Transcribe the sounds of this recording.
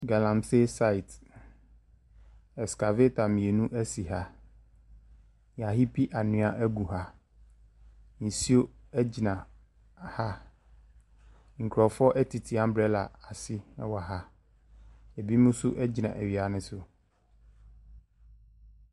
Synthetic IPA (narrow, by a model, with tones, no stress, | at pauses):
ɡa˨lã˨mse˦sa˦i˨t | ɛ˨ska˨ve˦tʰa˨mĩ˨e˨nũ˦ʔæ˦si˨ɦa˦ | ja˨ɦi˦pʰi˦ʔa˨nʊ̃˦a˦ʔæ˦ɡu˨ɦa˦ | n̩˨si˦o˦ɛ˦d͡ʑi˨nã˨ | ha˦ | ŋ̩˨kʰɾɔ˨fɔ˦ʔɛ˦tʰi˨tʰi˨a˦m̩˦bɾɛ˦la˨a˨sɪ˦wa˨ɦa˦ | ɛ˨bi˦mũ˦sʊ˦ʔɛ˦d͡ʑi˨nã̰˨ʔæ˨ɥi˨a˨˦nɪ̃˦sʊ˦